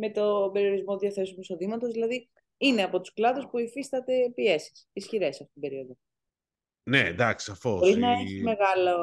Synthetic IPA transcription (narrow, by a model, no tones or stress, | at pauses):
me̞t̪obe̞ɾio̞ɾizmoðiɐθe̞sumiso̞ðimɐt̪o̞zðilɐði | ineɐpo̞t̪u̥sklɐðuspuifist̪ɐt̪e̞pie̞si̥sisçiɾe̞sɐft̪ot̪ibe̞ɾio̞ðo | nḛd̪ɐksɐfooɾinɐeçime̞ɣɐlo